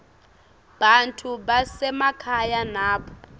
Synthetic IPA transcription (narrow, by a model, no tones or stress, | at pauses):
b̥antʰuɓasɛmakʰajanaːɓɔ